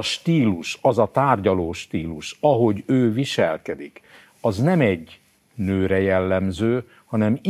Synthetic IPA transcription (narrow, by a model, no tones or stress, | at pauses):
ʃt̪iːluʃɒzɒt̪aːrɟɒloːʃt̪iːluʃɒɦo̞ɟøːviʃɛlkɛd̪ik | ɒznɛmɛɟ | nøːɾɛjɛlːɛmzøː | hɒnɛm